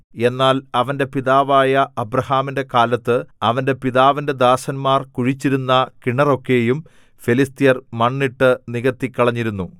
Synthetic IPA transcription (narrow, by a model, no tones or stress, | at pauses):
e̞nːaːlɐʋɐnde̞piðaːʋaːjɐɐbɾɐhaːminde̞kaːlɐt̪ːɨɐʋɐnde̞piðaːʋinde̞d̪aːsɐnmaːrkuɻit͡ɕːiɾunːɐkiɳɐro̞kːe̞ːjum | filist̪ijɐrmɐɳːiʈːɨniɣɐt̪ːikʲːɐɭɐɲːiɾunːu